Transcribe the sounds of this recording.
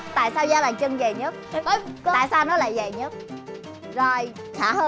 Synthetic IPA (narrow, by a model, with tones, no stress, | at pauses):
t̪a̰ː˧˨jsaː˧wzaː˧laː˨˩ŋt͡ɕə˧ŋzə˨˩jɲə˦˥t̚tɔ˨˦jkaː˧˨jsaː˧wnɔ˨˦la̰ː˧˨jzə˨˩jɲə˦˥t̚ | zo˨˩j | xʰaː˧˩həː˧